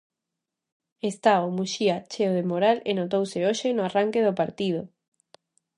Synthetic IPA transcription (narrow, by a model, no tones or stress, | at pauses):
est̪aomuʃiat͡ʃeoð̞emoɾalenot̪owseoʃenoaraŋkeð̞opaɾt̪ið̞o